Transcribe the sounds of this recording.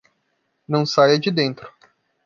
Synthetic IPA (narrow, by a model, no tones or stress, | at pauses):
nɐ̃w̃sajɐd͡ʒɪd̪ẽnt̪ɾʊ